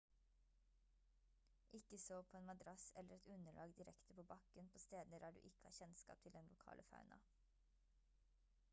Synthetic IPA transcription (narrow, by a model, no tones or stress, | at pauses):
ʔɪkəsoːpʰoːeːnmɑd̪ɾɑsɛləɾɛt̪ʉnəɭʔɑ̰ːɡd̪ɪɾɛkt̪əpʰoːbɑkənpʰoːst̪eːd̪nəɾæːɖʉ̰ːʔɪkəhɑçɛnskɑ̰ːp̚t̪ʰɪld̪ɛnlʊkʰɑ̰ːlʔəfɑ̰ʉnɑ̰